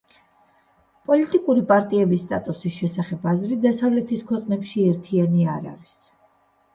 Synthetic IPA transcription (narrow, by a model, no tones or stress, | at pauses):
pʼɔlit̪ʼikʼuɾipʼaɾt̪ʼiɛbist̪ʼat̪ʼusisʃɛsaχɛbazɾid̪asavlɛt̪ʰiskʰwɛqʼnɛpʃiɛɾt̪ʰianiaɾa̰ɾis